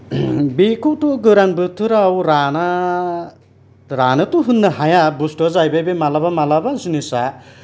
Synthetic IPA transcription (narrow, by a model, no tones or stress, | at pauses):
bikuʈuɡɯɾanbɯt̪ʰːɯɾawɾana | ɾanɯt̪uɦunːɯɦajabusʈɔzajbebemalabamalabazunisa